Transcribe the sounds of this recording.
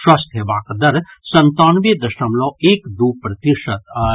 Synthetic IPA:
ʃwast̪ʰeʋaːkd̪ɐɾsɐ̃nt̪aːnʋed̪ɐʃɐmloːeːkd̪uːpɾɐt̪iʃət̪

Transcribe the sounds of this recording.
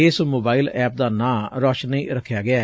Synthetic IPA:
eːsmoːbaːɪlɛːp̚d̪aːnãːɾɔːʃniːɾəkʰːjaːɡɪaː

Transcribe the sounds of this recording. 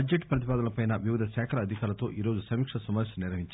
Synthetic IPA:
ɐd͡ʒːeʈːpɾɐt̪̬ipaːd̪ɐnɐpɐjnɐʋiʋid̪ʱɐʃaːkʰɐɾɐːd̪ʱikaːɾɐt̪o̞ːʔiːɾo̞ːd͡ʒusɐmikʂɐsɐmaːʋisɐniɾʋɐɦiɲt͡ʃ

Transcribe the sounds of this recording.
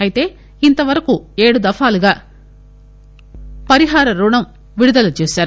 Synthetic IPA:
ɐjit̪e̞ː | int̪ɐʋɐɾɐkueːɽud̪ɐfaːluɡaː | pɐɾiɦaːɾɐɾuːɳɐm | ʋiɽud̪ɐlut͡ʃeːsaːɾu

